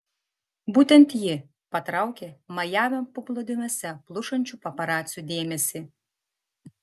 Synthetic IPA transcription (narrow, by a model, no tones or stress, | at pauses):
buːt̪ʲɛnt̪jɪ | pɐt̪ɾɑˑʊkʲeːmɐjæːʋʲɛpʊplˠod̪ʲɪmʲoːsʲɛplˠʊʃɐnʲt͡ʃʲuːpɐpɐɾɑːt̪sʲjuːd̪ʲeːmʲɛsʲɪ